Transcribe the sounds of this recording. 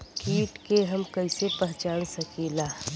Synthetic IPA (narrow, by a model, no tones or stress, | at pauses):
kiːʈkeɦɐmkɐɪsepɛɦt͡ʃaːnsɐkiːlaː